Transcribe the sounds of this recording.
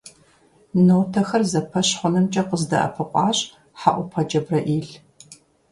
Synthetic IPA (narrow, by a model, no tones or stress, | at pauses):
nowtʰɐxɐrzɐpʰɐɕħʷɔnɨmt͡ʃʼɐqəzdɐ̰ʔɐ̰pʰɨqʷʼɑːɕʼ | ħaʔʷʊpʰɐd͡ʒʼɐbrɐʔiːɬ